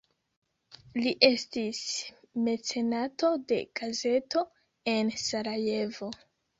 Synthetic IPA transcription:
liʔe̞stis | me̞t͡se̞nato̞de̞̰ɡ̥aze̞to̞ | e̞nsaɾaje̞vo̞

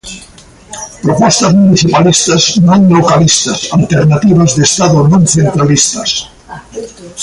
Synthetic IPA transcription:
pɾopɔst̪azmuniθipalist̪aznõŋlokalist̪ɐsalt̪eɾnat̪iβazðest̪aðonõnθent̪ɾalist̪ɐs

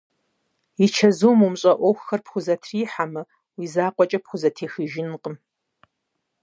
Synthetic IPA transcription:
it͡ʃʰɐzuːmumɕʼɐʔʷɔwxxɐrpχʷʊzɐtʰriːħamɨ | wiːzaːqʷʼɔt͡ʃʼɐpχʷʊzɐtʰeːxɨʒɪnqʼəm

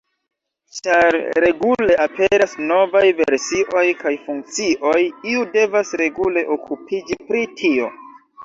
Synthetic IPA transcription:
t͡ʃaɾɾe̞ɡule̞ʔapeɾasno̞vajveɾsiʔo̞jkajfuŋk̚t͡siʔo̞jiude̞vasɾe̞ɡule̞ʔokʰupʰid͡ʒipɾitʰio̞̰

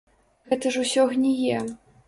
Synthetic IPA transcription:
ɣɛt̪ɐʐusʲɔɣnʲɛjɛ

